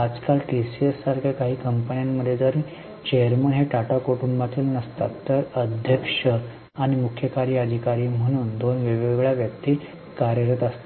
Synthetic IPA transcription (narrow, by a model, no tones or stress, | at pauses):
ad͡zkalʈisiesːaɾkʰjakaɦiːkəmpənijamːəd̪ʱjed͡z̪əɾ | t͡ɕejəɾmənɦeʈaʈakoʈumbat̪iːlnəst̪at̪ːəɾəd̪ʱjəkʂə | aɽ̃imukʰjəkaɾiəd̪ʱikaɾiːm̤əɽ̃uːnd̪onʋeʋeɡɭjaʋjək̚t̪iː | kaɾjəɾət̪əst̪